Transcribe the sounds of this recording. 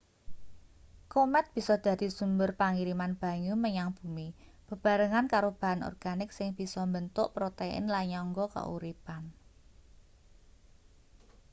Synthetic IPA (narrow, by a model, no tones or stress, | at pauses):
komɛt̪̚b̥i̤sɔd̪̥ä̤d̪̥i̤sumbʊrpaŋiɾimanb̥a̤ɲuməɲaŋb̥umi | b̥ə̤b̥a̤ɾəŋankaɾob̥a̤anɔ̰rɡ̥anɪk̚sɪŋb̥i̤sɔmbənt̪ʊʔpɾot̪eɪ̰nlaɲɔŋɡɔka̰ʔṵɾipan